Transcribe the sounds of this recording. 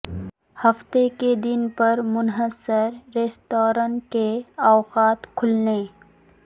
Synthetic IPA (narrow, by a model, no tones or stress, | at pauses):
hɐft̪eked̪ɪnpɐɾmʊnɦəsəɾːeːsʈ̪oːɾəɳkeawqaːt̪kʰʊlne